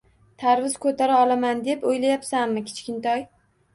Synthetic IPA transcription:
t̪ʰaɾvɪz̥kʰɵt̪ʰaɾaɒlˠamand̪e̞pojlajapsamːɪkʲʰe̥t͡ʃkʲɪnt̪ʰɒj

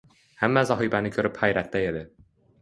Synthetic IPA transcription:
hamːazɒɦibanɪkʲʰɵɾɪphajɾat̪ːaed̪ɪ

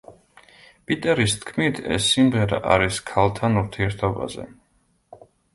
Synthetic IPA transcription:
pʼit̪ʼɛɾist̪ʰkʰmit̪ʰɛ̰sːimʁɛɾa̰ʔaɾiskʰalˠt̪ʰanuɾt̪ʰiɛɾt̪ʰɔba̰zɛ̰

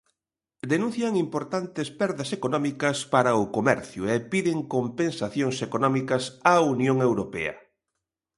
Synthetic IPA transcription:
d̪enũn̟θjɐŋimpoɾt̪ant̪espɛɾðɐsekonɔmikɐspaɾɐʊkomɛɾθjʊepiðɪŋkompensaθjoŋsekonɔmikɐsaunjoŋewɾopɛ̰ɐ̰

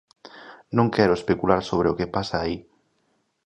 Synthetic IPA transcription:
nõŋkɛɾʊespekulaɾsoβ̞ɾeokepasaːi

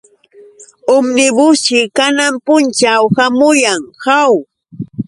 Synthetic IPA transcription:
ʊmnɪbʊʃɪkanampʊnt͡ʃawhamʊjaŋhaw

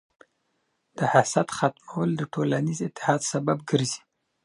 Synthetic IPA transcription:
d̪̥əhasat̪xat̪mawəld̪əʈʰolanizɪt̪ːɪ̥hɑd̪sababɡəɾzi̥

